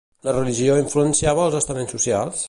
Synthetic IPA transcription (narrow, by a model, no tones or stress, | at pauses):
lərəliʒioiɱfluənsiaβəːlˠzəst̪əmensːusialˠs